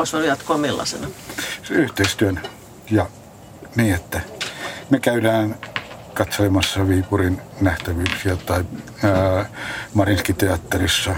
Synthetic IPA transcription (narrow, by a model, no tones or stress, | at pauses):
osojɑt̪koɑmilːɑ̰sḛnɑ | yht̪eist̪yøn | jɑ | niːet̪ːæmekæydæːn | kɑt̪solemɑsːɑʋiːpurinnæht̪æʋyːksiæt̪ɑi | mɑrinskit̪eɑt̪ːerisːɑ